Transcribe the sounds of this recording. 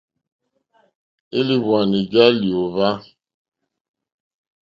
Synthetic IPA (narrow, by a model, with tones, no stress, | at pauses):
e˦li˦βwa˨ni˨ɡa˦li˨o˨va˦